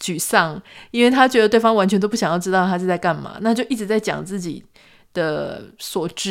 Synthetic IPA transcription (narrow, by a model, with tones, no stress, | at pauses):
t͡ɕy˨˩sɑ˥˩ŋi˥nwe˥˩ɪt̪ʰa˥t͡ɕɥɛ˧˥d̪ə˧t̪wɪfɑ˥ŋwa˧˥nt͡ɕʰɥnt̪o˥ʊpu˥˩ɕjŋjɑ˥˩ʊʈ͡ʂɻ̩˥ɑ˥ʊt̪ʰa˥t͡ɕo˥˧t͡sa˥˧ɪka˥˩nmɐ̰˩na˥˧t͡ɕjo˥˧ʊʔi˥˩ʈ͡ʂɻ̩˧˥t͡sa˥˩ɪt͡ɕjɑ̰˨˩ŋt͡sɹ̩˥˩t͡ɕḭ˨˩ | d̪̥ə˩swɔ˨˩ʈ͡ʂɻ̩˥